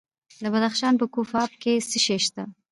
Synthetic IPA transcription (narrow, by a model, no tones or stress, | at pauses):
d̪əbad̪axʃɑnpəkofɑb̚kesəʃeʃt̪a